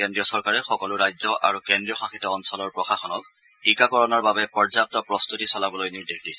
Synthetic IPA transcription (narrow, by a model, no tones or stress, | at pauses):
kendɹiɔsɔɹkaɹɛxɔkɔlʊɹajzɔʔa̰ɹukɛndɹiɔxaxitɔɔnsɔlɔɹpɹɔxaxɔnɔk | tikakɔɹɔnɔɹbabɛpɔɹzap̚tɔpɹɔst̪utisɔlabɔlojniɹdexdisɛ̥